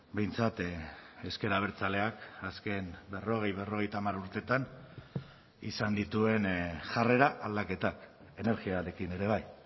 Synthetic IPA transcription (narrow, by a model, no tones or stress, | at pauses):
be̞jnt͡sat̪e̞ske̞ɾaβ̞e̞ɾt͡sale̞akaske̞nbe̞ro̞ɣ̞e̞jβe̞ro̞ɣ̞e̞jt̪amaɾuɾt̪e̞t̪an | ḭsand̪it̪ue̞nʝare̞ɾaʔald̪ake̞t̪ak | e̞ne̞ɾɣiaɾe̞kine̞ɾe̞β̞aj